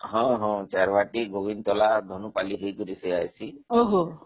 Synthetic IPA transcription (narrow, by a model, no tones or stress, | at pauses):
ɦɔ̃ɦɔ̃t͡ʃaɾʋaʈiɡobint̪ɔlad̪ʱɔnupaliɦejkuɾiseajsiɦoɦɔ̃